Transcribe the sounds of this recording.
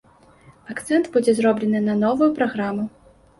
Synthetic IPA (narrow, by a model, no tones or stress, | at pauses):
akt̪sɛnt̪bud͡zʲɛzɾɔblʲɛnɨnɐnɔvujupɾaɣɾamu